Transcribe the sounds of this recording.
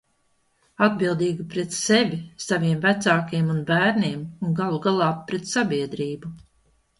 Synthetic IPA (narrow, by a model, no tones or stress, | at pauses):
ad̪̚bilˠd̪iːɡipɾɛt̪sevʲisaviɛmvæt̪saːkiɛmunbæːɾnʲiɛmunɡalˠuɡalˠaːpːɾɛt̪sabʲiɛd̪ɾiːbu